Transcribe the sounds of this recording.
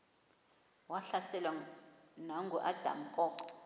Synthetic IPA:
waɬasɛlwanaŋɡʱuʔad̥ʱa̰ŋ̩kʼɔːǃɔ̥

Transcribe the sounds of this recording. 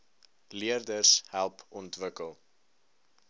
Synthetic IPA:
liərdərshælˠpɔntvəkəlˠ

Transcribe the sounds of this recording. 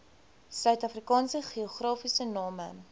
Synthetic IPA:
sœɥtɐfrikɑːnsəχioχrɑːfisənɑːmə̰

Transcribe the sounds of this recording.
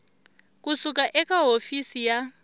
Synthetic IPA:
k̬ʼusuk̬ʼaʔɛkʼaɦofisija

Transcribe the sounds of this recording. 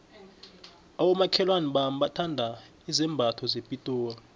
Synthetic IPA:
awɔmakʰɛlwanɛɓam̩ɓatʰandʱa | izɛmbʱatʰɔzepʼitʼɔːwa

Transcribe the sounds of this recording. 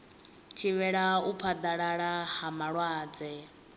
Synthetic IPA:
t͡ʃʰiβɛɺaupʰad̪aɺaɺahamaɺwaːd͡zɛ

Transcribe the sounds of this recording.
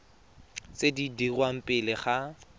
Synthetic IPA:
t͡sedidirwam̩pʼɪlɪχa

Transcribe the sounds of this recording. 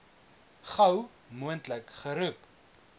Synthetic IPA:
χɐw | muəntləkχəɾup

